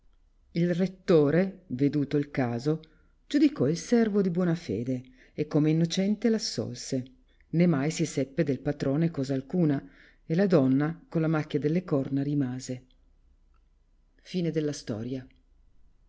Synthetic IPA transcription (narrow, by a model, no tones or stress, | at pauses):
ilret̪ːoːɾeved̪uːt̪oilkaːzo | d͡ʒud̪ikɔilsɛrvod̪ibwɔːnafḛːd̪e | ekːomeinːot͡ʃɛnt̪elasːɔ̰lse | nemajsisɛpːed̪elpat̪ɾoːnekɔːzaːlkuːna | elad̪ɔnːakonlamakːjad̪elːekɔrnaɾimaːze | fiːned̪elːast̪ɔ̰ːɾja